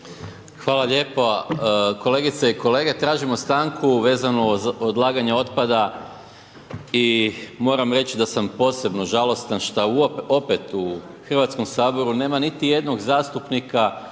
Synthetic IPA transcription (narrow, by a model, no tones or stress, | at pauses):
xʋaːlaʎe̞ːpoko̞le̞ɡit̪seiko̞le̞ːɡe̞t̪ɾaːʒimost̪aːŋkʰuʋe̞ːzanood̪lˠaːɡaɲeo̞t̪pad̪a | imo̞ɾamɾe̞t͡ɕid̪asampo̞ːse̞bno̞ʒalo̞st̪anʃt̪auo̞pe̞t̪u | xr̩ʋat̪sko̞msaːbo̞ɾune̞ːmanit̪ije̞d̪no̞ɡzaːst̪upnika